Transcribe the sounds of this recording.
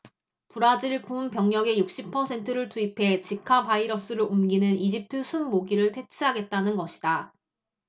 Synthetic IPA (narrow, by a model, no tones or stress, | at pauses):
puɾad͡ʑiɭkunpjʌŋɲʌɡe̞juk̚ɕ͈ipʰʌsʰe̞ntʰɯɾɯɭtuipʰe̞t͡ɕikʰapaiɾʌs͈ɯɾoumɡinɯnid͡ʑip̚tʰɯsʰunmoɡiɾɯɭtʰe̞t͡ɕʰiɦaɡe̞t̚t͈anɯnɡʌɕʰi̥da